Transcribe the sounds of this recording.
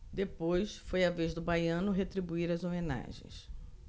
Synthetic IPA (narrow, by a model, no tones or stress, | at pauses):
d̪epojsfojavezd̪ʊbajɐ̃nʊɦet̪ɾibuiɾɐzomẽna̰ʒḛ̃j̃s